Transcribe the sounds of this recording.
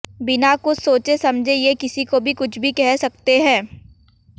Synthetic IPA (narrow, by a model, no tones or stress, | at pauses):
bɪnakʊsoːt͡ʃesɐmd͡ʒʱejekɪsikobʱikʊt͡ʃʰbʱikɛɦsɐk̚t̪eɦɛ̃ː